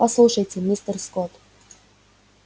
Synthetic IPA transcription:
pɐslˠuʂəjtʲɪmʲist̪ərskot̪

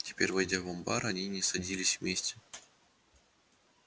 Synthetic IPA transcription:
tʲɪ̥pʲeɾʲvɨjdʲavombɑɾanʲinʲɪsɐdʲilʲɪsʲvmʲesʲtʲɪ

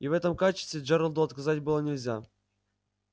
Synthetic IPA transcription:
ivɛt̪əmkat͡ɕɪ̥st̪vʲɪʐɛɾəlˠd̪ʊɐt̪kɐzatʲbɨlˠənʲɪlʲzʲa

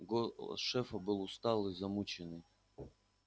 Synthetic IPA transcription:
ɡoʂɛfɐbɨlˠʊst̪alˠɨzɐmut͡ɕɪnɨj

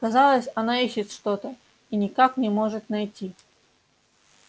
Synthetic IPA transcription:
kɐzɑlˠəsʲɐnaiɕːɪt̪ʂt̪ot̪ə | inʲɪkaknʲɪmo̞ʐɨt̪nɐjtʲi

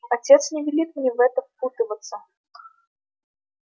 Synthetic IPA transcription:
at͡sʲɛt̪snʲɪvʲɪlʲit̪̚mnʲɛvɛt̪əfput̪ɨvət̪sːə

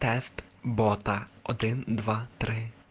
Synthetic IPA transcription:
t̪ɛst̪bɔt̪ɐɔd̪ɪnd̪ʋat̪ɾɪ

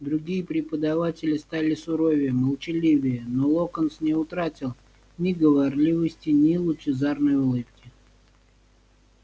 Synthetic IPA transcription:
d̪ɾʊɡʲijəpɾʲɪpəd̪ɐvatʲɪlʲɪst̪alʲɪsʊɾovʲɪjəməlˠt͡ɕɪlʲivʲɪjənolˠokənsnʲɪʊt̪ɾatʲɪlˠ | nʲɪɡəvarlʲivəsʲtʲɪnʲilˠʊt͡ɕɪzarnəjʊlˠɨpkʲɪ

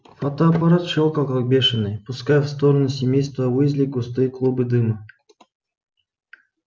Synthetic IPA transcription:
fot̪oɐpɐɾat̪ʂolˠkakak̚bʲeʂɨnːɨjpʊskajɛfst̪oɾənusʲɪmʲejst̪vəvɨzʲlʲiɡʊst̪ɨjklˠubɨd̪ɨmɐ

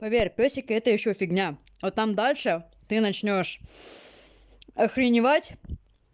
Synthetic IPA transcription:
pɐvʲerʲpʲosʲɪkəɛt̪əjɪɕːofʲɪɡnʲa | ot̪ːamd̪alʲʂɨ | t̪ɨnɐt͡ɕnʲo̞ʂ | ɐxɾʲɪnʲɪvatʲ

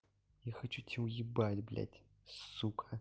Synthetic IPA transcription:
jaxɐt͡ʃutʲʰiujɪbatʲblʲa̰tʰʲ | ssukʰʼɐ

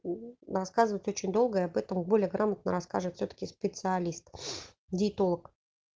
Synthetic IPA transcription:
rɐskazɨvəjɪtʲo̞t͡ɕɪnʲd̪o̞lˠɡəɪɐbɛt̪əmbo̞lʲɪjəɡɾʔamət̪̚nəɾɐska̰ʐvət̪fʲsʲot̪ə̥kʲɪspʲɪt̪sɨɐlʲist̪ | dʲɪːt̪olˠək

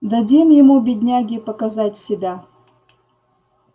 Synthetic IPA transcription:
d̪ɐdʲimjɪmubʲɪdʲnʲaɡʲɪpəkɐzatʲsʲɪbʲa

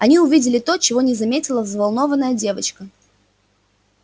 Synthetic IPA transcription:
ɐnʲiʊvʲidʲɪlʲɪt̪o̞t͡ɕɪvo̞nʲɪzɐmʲetʲɪlˠəzvɐlˠno̞vənːəjədʲe̞vət͡ɕkə

